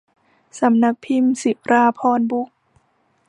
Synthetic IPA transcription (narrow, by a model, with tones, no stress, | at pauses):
sa˨˦mna˦˥k̚pʰi˧msi˨˩˦ɾaː˧pʰɔː˧nbu˦˥k̚